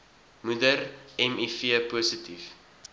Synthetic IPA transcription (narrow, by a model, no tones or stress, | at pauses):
mudərɛmifiəpuːsətif